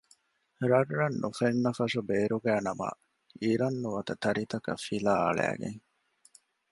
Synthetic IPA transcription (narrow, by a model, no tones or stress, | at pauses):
ɾɐrːɐnːufenːɐfɐʃubeːɾuɡæːnɐmɐ̰ | iɾɐnːuʋɐt̪ɐt̪ɐɾit̪ɐkɐ̰filaːɐ̰ɭæ̰ːɡḛŋ